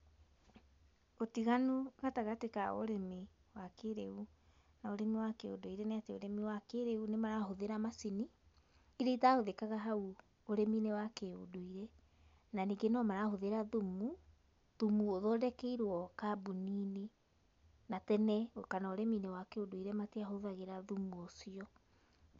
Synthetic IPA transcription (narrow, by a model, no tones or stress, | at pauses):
otiɣanuɣataɣatekao̰ɾɛmi | wakeɾeu | naoɾɛmiwakeo̰doiɾɛneateoɾɛmiwakeɾeunemaɾaɦoðeɾamasini | iɾeitahoðekaɣaɦau | oɾɛminewakeo̰doiɾɛ | naniːɡenɔmaɾahoðeɾaðumu | ðumuoðɔːdɛkeiɾwɔkabuniːne | natɛnɛkanaoɾɛminewakeodoiɾɛmateaɦoðaɣeɾaðumuosiɔ